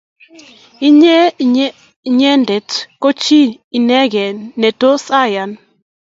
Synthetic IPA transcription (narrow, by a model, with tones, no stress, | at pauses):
i˦ɲɛ˦ | ɲɛ˦ndɛ˨tko˦t͡ʃi˦i˨nɛ˦ɡɛ˨ne˨to˦sa˦ja˨n